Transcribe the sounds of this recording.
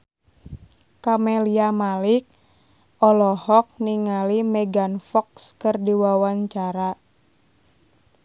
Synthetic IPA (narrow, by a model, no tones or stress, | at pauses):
kamɛliamalik̚ | ɔlɔhɔk̚niŋalimɛɡanfɔkskɨrdiwawaɲt͡ʃaɾa